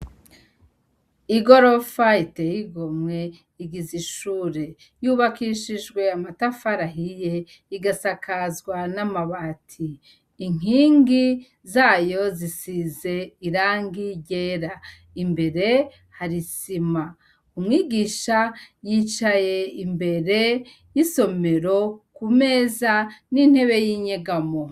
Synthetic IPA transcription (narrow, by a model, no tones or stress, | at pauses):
iɡo̞ɾo̞faitejiɡomŋe̞ | iɡiziʃuːɾe̞ | juβakiʃiʒɡwe̞amatafaɾaɦije̞ | iɡasakʰazɡwanamaβaːtʰiː | ŋ̥iːŋɡi | zaːjo̞zisize̞iɾaːŋɡiɟe̞ːɾa | imbe̞ɾe̞ | haɾisima | umŋiːɡiʃajit͡ʃaje̞imbe̞ɾe̞ | jiso̞me̞ɾo̞kume̞ːzanin̥he̞βe̞jiːɲe̞ɡamo